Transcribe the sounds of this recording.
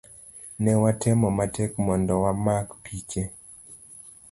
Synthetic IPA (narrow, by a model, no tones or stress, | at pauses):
nɛwatʰɛmɔmatɛkmɔndɔwamakpʰit͡ʃe